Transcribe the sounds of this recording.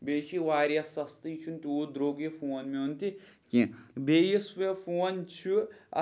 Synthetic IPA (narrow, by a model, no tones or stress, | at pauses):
beːʃʰiʋaːɾjɐsɐst̪ɨt͡ʃʰunt̪ioːd̪ɾoːɡepʰoːnmeɦunt̪ikibeːjisʋepʰoːnt͡ʃʰuɐ̰